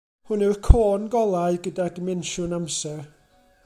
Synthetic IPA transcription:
hʊnɛwrkʰoːnɡɔlˠaɨɡədadəmɛnʃʊnamsɛr

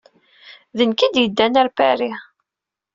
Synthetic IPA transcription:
ðənkid̪jəd̪ːænæɾpæɾi

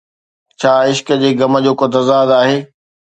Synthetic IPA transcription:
t͡ɕʰaːɪʃkə̆d͡ʑeːɡɐmə̆d͡ʑoːkʊt̪ɐzaːd̪aːɦeː

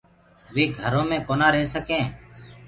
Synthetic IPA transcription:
ʋiːɡʱəɾõːmẽːkoːnaːɾeɦsəkẽː

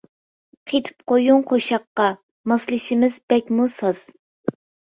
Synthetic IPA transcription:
qʰet̪ʰɨ̥p̚qojuŋqʰoʃɑqːɑ | mɑslˠɨʃimɪzbɛkʲmusɑz̥

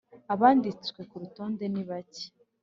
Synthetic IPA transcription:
aβaːndit͡swe̞kuɾuto̞ːnde̞niβace̥

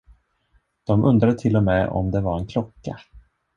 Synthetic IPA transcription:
d̪̥ɔmʔɵnd̪ɾad̪ət̪ʰɪlːɔmɛɔ̰md̪ɛvaɾɛnkʰlɔkːa

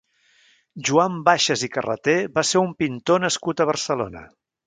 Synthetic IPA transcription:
ʒuambaʃəzikərə̰t̪eβaseɾumpint̪onəskut̪əβ̞ərsəlo̰nə̰

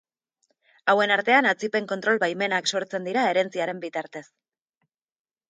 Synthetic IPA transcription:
awe̞naɾt̪e̞anat͡sipe̞ŋko̞nt̪ɾo̞lβajme̞nakso̞ɾt͡se̞nd̪iɾae̞ɾe̞nt͡siaɾe̞mbit̪aɾt̪e̞s

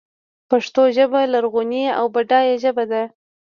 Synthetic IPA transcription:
paʂt̪oʒəbalaɾɣonia̰wbaɖɑjaʒəbad̪a

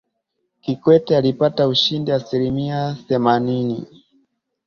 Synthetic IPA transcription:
kikwɛtɛalipatauʃindiasilimiaθɛmaninḭ

